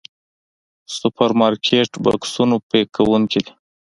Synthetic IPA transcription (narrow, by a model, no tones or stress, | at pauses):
sʊpaɾmɑɾkʰeʈbɑ̰ksunopekawuŋkid̪i